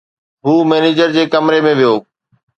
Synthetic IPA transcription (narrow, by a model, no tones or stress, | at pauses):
ɦuːmeːneːd͡ʑəɾd͡ʑeːkɐmɾemẽʋijoː